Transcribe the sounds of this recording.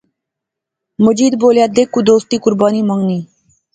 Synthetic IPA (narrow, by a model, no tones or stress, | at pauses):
məd͡ʒiːd̪boːljaːd̪ekːud̪oːst̪iːkʊɾbaːniːməŋɡniː